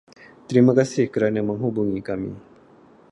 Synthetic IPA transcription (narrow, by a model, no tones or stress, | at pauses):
t̪əɾiməkasihkəɾanəməŋɦubuŋikamḭ